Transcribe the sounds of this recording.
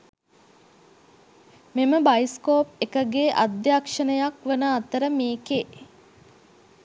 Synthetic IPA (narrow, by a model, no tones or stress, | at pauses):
meməbajskoːpekəɡeʔad̪jakʂənəjakʋənəat̪əɾəmeːke